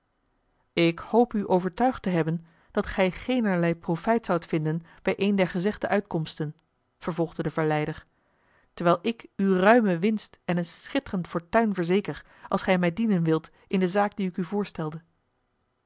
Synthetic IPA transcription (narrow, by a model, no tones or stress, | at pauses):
ɪkhowpyʔowvəɹtœɥχtəɦɛbən | d̥ɑtχɛjχejnəɹlɛjprofɛjtsɑwtfɪndənb̥ɛjʔejndɛɹχəzɛχdəʔœɥtkɔmstən | v̥əɹvɔlˠχdədəvəɹlɛjdəɹ | təɹʋɛjlˠɪkyrœɥməʋɪnstɛnənsχɪtərəntfɔɹtœɥnvəɹzejkəɹ | ʔɑlˠsχɛjmɛjdinənʋɪlˠt | ʔɪndəzaːk̚diɪkyvʊːɹstɛlˠdə